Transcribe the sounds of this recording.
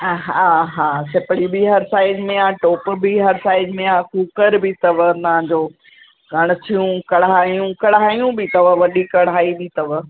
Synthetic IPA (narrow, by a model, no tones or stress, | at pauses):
ɦaːɦaːsɪpɽibiɦɐɾsaːɪɖmẽaʈoːpbiɦɐɾsaːɪɖmẽaːkuːkəɾbɪt̪ɐʋət̪ɐʋ̤ãɲd͡ʑoː | ɡʱɐɽ̃ʊ̆t̪ʰijũkɐɽaːjũkɐɽaːjũbɪt̪ɐʋəʋɐɗikɐɽaːibit̪ɐʋ